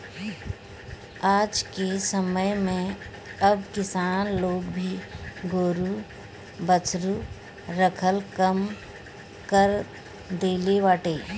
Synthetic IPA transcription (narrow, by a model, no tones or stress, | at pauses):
aːd͡ʒkesəməjmẽ | ɐbkɪsaːnloːɡbʱiɡoːɾu | bət͡ʃɾu | ɾəkʰəlkəm | kəɾ | d̪eːlebaːʈeː